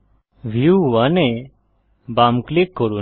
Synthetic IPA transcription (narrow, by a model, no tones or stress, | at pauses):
ʋiuɦuanɛ̃ | baːmklɪkːoɾu